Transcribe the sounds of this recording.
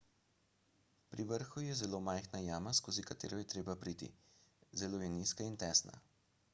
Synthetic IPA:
pɾiʋəɾxujɛzɛloːmajxnajaːmaskoːzikat̪ḛːɾɔjɛt̪ɾeːbapɾiːt̪ḭzɛloːjɛniskaint̪ɛːsna̰

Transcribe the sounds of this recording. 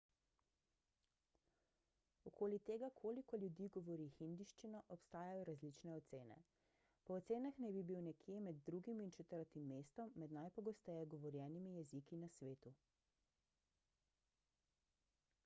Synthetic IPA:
ɔkʰoːlit̪eːɡakʰoːlikɔlʲjud̪iːɡɔʋɔɾixind̪iʃt͡ʃinɔʔɔpst̪aːjajɔɾazlit͡ʃnɛɔt̪seːnɛ̰ | pɔːt̪seːnaxnɛbibiwnɛkjemɛd̪ːɾuɡimint͡ʃɛt̪əɾt̪imːeːst̪ɔmːɛd̪najpɔɡɔst̪ɛjɛɡɔʋɔɾjɛːnimijɛzikinasʋeːt̪u

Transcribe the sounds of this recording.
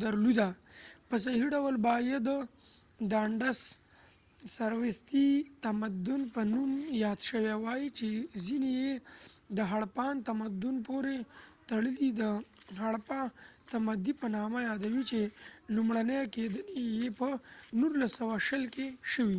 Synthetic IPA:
d̪ɐɾlud̪apəs̬ɐɦiɖɐwəlbɑːjed̪ə | d̪aːɳɖas | sɐɾwest̪it̪ɐmɐd̪unpənumjɑːd̪ʃəwewaːit͡ʃezinejed̪əɦɐɽpaːnt̪ɐmɐd̪unpoɾet̪ɐɽəlid̪əɦɐɽpat̪ɐmɐd̪ipənɑːmajaːd̪ɐwit͡ʃelumɽanejaked̪ənejepənuɾlasːɐwaʃəlkeʃəwi

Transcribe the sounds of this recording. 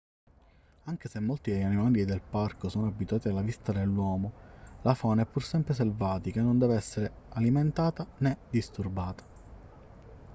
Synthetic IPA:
aŋk̟esemːolt̪id̪ejanimaːlid̪elparkosoːnoabːit̪uaːt̪ialːavist̪ad̪elːwɔːmolafɔːnɛpːursɛmpɾes̬elvaːt̪ikanːond̪ɛːveɛsːeɾe | aliment̪aːt̪aned̪ist̪urbaːt̪ḁ

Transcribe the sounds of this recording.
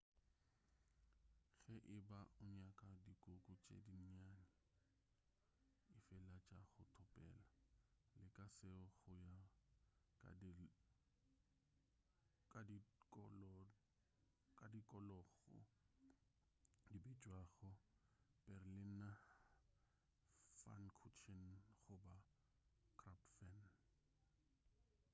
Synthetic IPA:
ɣɛʔɪbaʊɲakʼadikʼʊkʼʊt͡ʃʼḛdin̩ɲanɪ | ɪfɛlat͡ʃʼaɣʊtʰʊpʼɛ̰ːla | lɪkʼasɪɔɣʊja | k | kʼadiklɔ | kʼadikʼɔlɔɣɔ̰ | dibit͡ʃʼwaɣʊ | b̥ɛrlina | fa̰nkʰut͡ʃʰinχʊba | kʰʼrapfɛn

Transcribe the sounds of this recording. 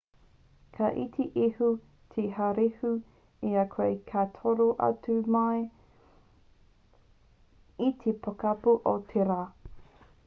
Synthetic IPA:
kʰaʔitʰeʔihu | t̪ʰehaɾehu | iɐkʰwejkʰatʰoɾoʔɐ̰tumae | it̪ʰepɐkɐpuʔotʰeɾaː

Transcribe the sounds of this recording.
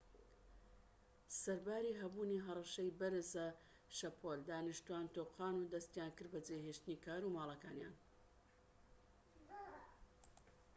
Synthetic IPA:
sɐɾbaːɾiːɦɐbuːniɦɐrˤɑʃɐjbɐɾzɐ | ʃɐpʰold̪aːnɨʃt̪uaːnt̪oːqʰaːnud̪ɐst̪jaːnkɨɾbɐd͡zeɦeːʃt̪ɨniːkʰaːɾuːmaːlˠɐkaːnja̰ːn

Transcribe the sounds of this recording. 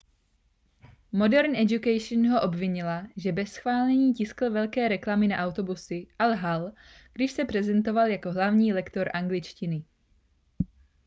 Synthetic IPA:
mo̞dɛɾnɛd͡ʒukɛjʃnɦo̞ʔo̞bvɪɲɪlaʒɛbɛsxvaːlɛɲiːcɪskl̩vɛlkɛːɾɛklamɪnaʔawt̪o̞busɪʔalɦal | ɡ̥dɪʃsɛpɾ̝ɛzɛnt̪o̞valjako̞ɦlavɲiːlɛkt̪o̞ɾʔaŋɡlɪt͡ʃcɪnɪ

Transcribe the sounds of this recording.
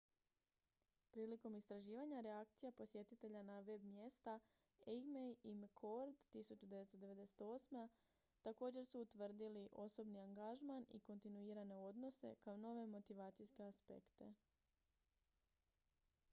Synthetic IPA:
pɾiːliko̞mist̪ɾaʒiːʋaɲaɾeakt̪sijapo̞sje̞t̪it̪e̞ʎanaʋe̞bmje̞st̪a | eɡmejimkʰo̞ɾd̪t̪isut͡ʃud̪e̞ʋe̞t̪t̪o̞d̪e̞ʋe̞d̪e̞set̪o̞ːsma | t̪ako̞ːd͡ʑe̞ɾsuːt̪ʋr̩d̪iliʔo̞so̞bniaŋɡaʒmanḭko̞nt̪inuiːɾane̞o̞d̪no̞se̞̰kaono̞ʋe̞mo̞t̪iʋaːt̪sijske̞aspe̞̰kt̪e̞

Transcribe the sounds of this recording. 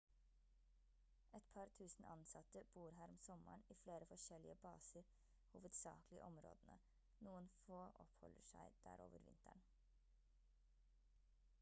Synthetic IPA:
ɛt̪pʰɑɾt̪ʰʉːsn̩ɑnsɑt̪əb̥uːɾɦæːɾɔmsɔmə̰ɳiːfleːɾəfɔʂɛlɪəbɑːsəɾ | huːʋəd̪sɑ̰ːklɪə̰ʔɔmɾo̰ːd̪ənə̰ | nuːənfoːʔɔ̰phɔ̰ləʂæɪd̪̥æ̰ːɾo̰ːʋəɾʋɪ̰nt̪ʰæɳ

